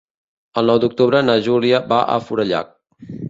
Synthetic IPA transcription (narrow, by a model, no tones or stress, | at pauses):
əlˠnɔwd̪uk̚t̪uβɾənəʒuliəbaʔə̰fuɾəʎa̰k̚